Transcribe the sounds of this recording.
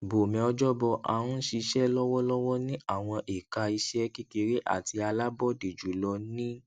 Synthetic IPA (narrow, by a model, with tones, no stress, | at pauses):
bo˨mɛ̃˨˧ɔ˧d͡ʒɔ˦bɔ˧ʔa̰˨ũ˦ʃi˧ʃɛ˦lɔ˦wɔ˦lɔ˦wɔ˦nĩ˦ʔa˦˨w̃ɔ̃˧ʔi˨ka˧i˧ʃɛ˦ki˦ke˧ɾe˦ʔa̰˦˨ti˧a˧la˦bɔ˦de˨d͡ʒu˨lɔ˧nĩ˦